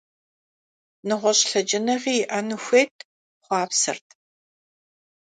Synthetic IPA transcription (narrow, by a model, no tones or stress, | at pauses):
nɨʁʷɔɕʼɬɐd͡ʒɪnɐʁiːʔɐnɨxʷeːtʰ | χʷɑːpsɨ̰rtʰ